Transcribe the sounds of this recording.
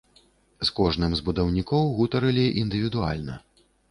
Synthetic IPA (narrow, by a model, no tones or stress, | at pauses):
skɔʐnɨmzbud̪ɐwnʲikɔwɣut̪ɐɾɨlʲiʔind̪ɨvʲid̪ua̰lʲnɐ̰